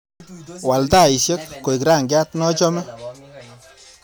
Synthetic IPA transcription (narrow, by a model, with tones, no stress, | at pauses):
wa˨lta˦˨i˨sje˦kːo˨jkɾa˦˨ŋɡa˦tnɔ˦t͡ʃɔ˦mɛ˦